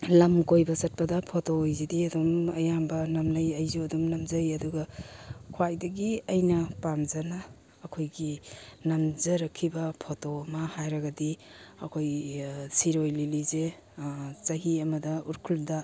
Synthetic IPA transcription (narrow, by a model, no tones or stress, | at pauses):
lɐmkojbɐsɐt̚pɐdɐpʰotoːjzidiɐdumɐjambɐnɐmnɐjɐjzuɐdumnɐmzɐjɐduɡɐkʰwajdɐɡiɐjnɐpamzɐnɐː | kʰojɡinɐmzɐɾɐkʰːibɐpʰotoɐmɐhajɾɐɡɐdiɐ̰kʰojsiɾojlilize | t͡ʃɐɦiɐmɐdɐuɾkʰuldɐ